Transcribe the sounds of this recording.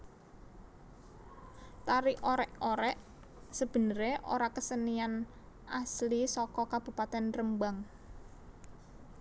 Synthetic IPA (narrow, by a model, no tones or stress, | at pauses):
t̪aɾioɾɛʔoɾɛʔ | səb̥ə̤nəɾeʔo̰ɾakəsənian | ʔaslisɔkɔkab̥ṳpat̪ɛnrəmbaŋ